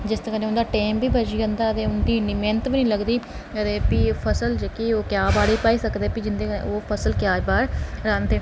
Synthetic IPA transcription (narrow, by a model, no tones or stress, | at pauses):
d͡ʒɪst̪əkənẽʊ̃nd̪aːʈeːmbiːbəd͡ʒiːənd̪aːət̪ẽːʊnd̪iːnimẽːnt̪ʋnĩːləɡd̪iː | ət̪eːpipʰəsəld͡ʒekioːkjaːbaːɽiːpaːiːsəkd̪eːpiːd͡ʒɪnd̪eːn̰ːoːpʰəsəlkjaːbaːɾɾãːnt̪eː